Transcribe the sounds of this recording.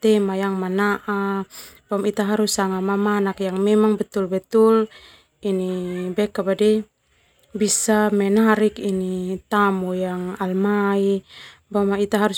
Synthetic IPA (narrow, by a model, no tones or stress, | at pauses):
t̪ɛmajaŋmanaʔabamit̪aɦaɾusaŋamamanakjaŋmɛmaŋbɛt̪ulbɛt̪ul | inibɛkabadɛ | bisamɛnaɾikinit̪amujaŋalmaibamait̪aɦaɾus